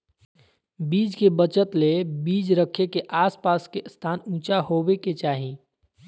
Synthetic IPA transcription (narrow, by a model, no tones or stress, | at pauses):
biːd͡ʒkebət͡ʃət̪lebiːd͡ʒɾəkʰekeʔaːspaːskest̪ʰaːnũːt͡ʃaɦoːbeket͡ʃaːɦĩ